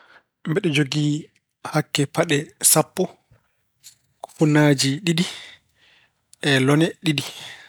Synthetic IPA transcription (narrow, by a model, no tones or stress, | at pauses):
mbɛɗɛd͡ʒoɡi | hakːɛpaɗɛsapːɔ | ku̥funaːd͡ʒiɗiɗi | ʔɛlɔnɛɗiɗi